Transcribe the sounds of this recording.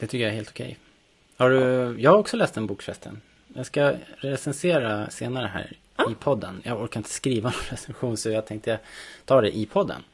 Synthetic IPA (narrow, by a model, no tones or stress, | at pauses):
d̪̥ɛt̪ʰʏkːəjaɛɾheːlt̪ɔ̥kʰɛ̰j | haɖɵjɑːɡhaɾɔksɔlɛːst̪ɛnbuːkfɛst̪ʰə̰n | jɑɡskaɾɛsɛnseːɾaseːnaɾəɦæ̰ːɾ | ɪpʰɔd̪ːənjɑɡɔɾkaɾɪnt̪ʰə̥skɾiːvanɔnɾɛsɛnɧuːnsɔjat̪ʰɛŋk̚t̪əjat̪ʰɑːd̪ɛ̰ʔɪpʰɔd̪ːə̰n